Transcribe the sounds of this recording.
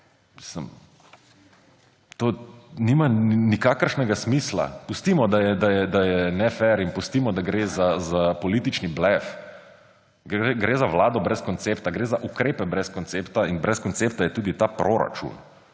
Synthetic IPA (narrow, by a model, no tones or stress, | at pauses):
misləm | t̪oːnimanikaːkəɾʃnɛɡasmiːsla̰pust̪iːmɔd̪ajɛd̪ajɛd̪ajɛnɛfɛɾinpust̪iːmɔd̪aɡɾeːzazapɔliːt̪it͡ʃniblɛf | ɡeɡɾeːzaʋlaːd̪ɔbɾɛskɔnt̪seːpt̪aɡɾeːzaʔukɾeːpɛbɾɛskɔnt̪seːpt̪ainbɾɛskɔnt̪seːp̚t̪ajɛt̪uːd̪it̪aːpɾʔoɾa̰t͡ʃṵn